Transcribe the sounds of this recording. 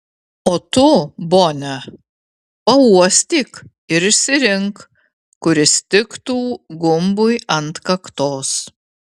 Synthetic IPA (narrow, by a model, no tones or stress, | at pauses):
oːt̪ʊboːnʲɛ | pɐuɔsʲt̪ʲiːk | ɪɾɪʃʲsʲɪɾʲɪŋk | kʊɾʲɪsʲt̪ʲɪkt̪uːɡʊmbʊjɐnt̪kɐkt̪oːs